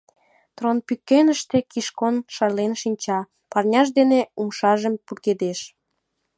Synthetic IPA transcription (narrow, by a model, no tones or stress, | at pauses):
t̪ronpykːenəʃt̪ekiʃkonʃɑrlenʃinʲt͡ɕɑ | pɑrnʲɑʃd̪eneumʃɑʒəmpurɣed̪eʃ